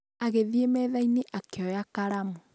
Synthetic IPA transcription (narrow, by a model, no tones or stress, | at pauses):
aɣeðiemɛːðaineʔakejɔjakaɾamu